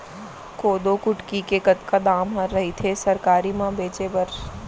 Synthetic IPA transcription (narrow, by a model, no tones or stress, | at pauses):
koːd̪okʊʈkikekɐt̪kad̪aːmɦɐɾːɐɦit̪ʰesɐɾkaːɾimãbeːt͡ʃebɐɾ